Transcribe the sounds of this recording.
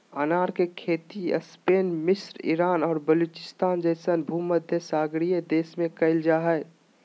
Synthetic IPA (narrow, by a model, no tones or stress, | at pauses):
ənaːɾkekʰeːt̪iə̰speːnmɪsɾḭɾaːnɔːɾbəluːt͡ʃɪ̥st̪aːnd͡ʒəɪsənbʱuːməd̪ʱjəsaːɡɾijed̪eːsmẽkɐɪld͡ʒaːɦɛː